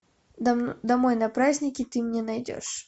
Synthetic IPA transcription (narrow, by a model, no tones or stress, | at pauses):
d̪ɐmojnɐpɾazʲnʲɪkʲɪt̪ɨmnʲɛnɐjdʲo̰ʂ